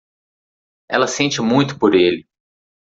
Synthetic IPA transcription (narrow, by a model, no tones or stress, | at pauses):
ɛ̰lɐsẽnt͡ʃɪmũj̃t̪ʊ̥poɾelɪ